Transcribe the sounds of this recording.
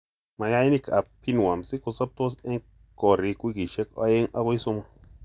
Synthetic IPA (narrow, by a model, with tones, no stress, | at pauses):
ma˨ja˦i˦ni˦kʰa˨pʰi˦n˨wa˨msi˦ko˨sa˦p̚t̪o˦s̬e˦ŋ | ko˨ɾi˨kwi˦ɡi˨ʃe˦ka̰˦je˦ŋa˦ko˦i˦so˦mo˦